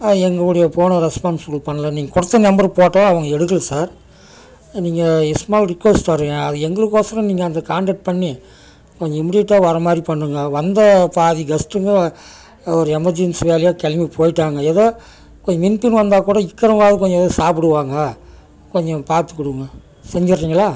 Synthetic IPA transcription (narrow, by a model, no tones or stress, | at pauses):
ɛŋɡɐɭɯɽɐjɐpoːɳɐɾɛspaːnssɔlupɐɳːɐlɐniːŋɡɐkʊɽɐt̪ːɐnɐmbɐɾpoːʈːɐ̃ɐʋɐŋɡɐɛɽɯk̬ːɐlɐsaːɾ | niːŋɡɐɪsmaːlɾɪkʋɛsʈɐɾːɯŋɐɐðɯɛŋɡɐɭɯkːoːsɐɾɐ̃mniːŋɡɐːnd̪ɐkaːɳɖɐʈ̚pɐɳːi | kɔɲd͡ʒɔ̃ɪmɪɽiʈːaːɔɾɐmaːd̪ɾipɐɳːɯŋɡɐʋɐnd̪ɐpaːðiɡɐsʈɯŋɡɐ | ɔɾɯɛmɐɾd͡ʒɪnsʋeːlɐjaːkɛlmipʰoːjɪʈːaːŋɡɐɛðoː | kɔɲd͡ʒɐmɪnpɪnʋɐnd̪aːkuːɽɐɪkːɐɾɐmaːðɯkɔɲd͡ʒɔ̃ɛðosaːpɪɽɯʋaːŋɡɐ | kɔɲd͡ʒɔ̃paːɾt̪ɯkːɔɽɯʋɯŋɡɐ | sɛɲd͡ʒɪɾːiːŋɡɐɭaː